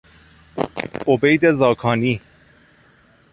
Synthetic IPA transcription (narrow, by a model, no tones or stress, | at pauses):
obejd̪ezɒːkʰɒːniː